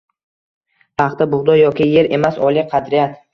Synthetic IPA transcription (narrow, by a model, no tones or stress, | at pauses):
pʰɑχt̪abʊʁd̪ɒjɒkʲɪje̞ɾe̞masɒlˠɪqʰɑd̪ɾɪjat̪